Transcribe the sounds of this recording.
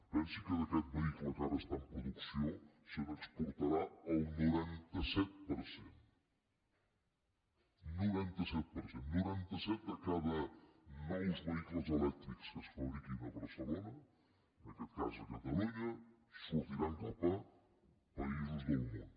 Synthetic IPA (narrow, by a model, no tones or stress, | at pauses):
pɛnsikeðakɛt̪̚βeiklokaβest̪ampɾoðuksjo | seβekspuɾt̪aɾaawnuɾɛnt̪asɛt̪̚poɾsen | nuβɛnt̪ɐsɛt̪̚peɾsennuβɛnt̪ɐsɛt̪akaβɐmajzβeiklozelɛk̚t̪ɾikskesfaβɾikinaβeɾselonɐ | nakɛt̪kazekat̪aluɲa | sut̪iɾant̪upa | paizezðeumu